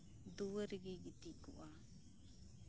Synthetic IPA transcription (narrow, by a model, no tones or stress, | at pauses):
d̪uwəɾiɡiɡit̪ikṵʔa